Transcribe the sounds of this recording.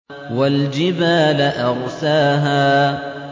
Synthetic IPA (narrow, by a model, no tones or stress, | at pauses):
wald͡ʒɪbaːlaʔɑɣsaːɦaː